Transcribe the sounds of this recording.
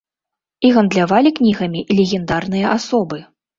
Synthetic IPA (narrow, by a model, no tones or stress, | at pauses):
iɣɐnd̪lʲavalʲiknʲiɣɐmʲilʲeɣʲɛnd̪arnɨjɐʔasɔbɨ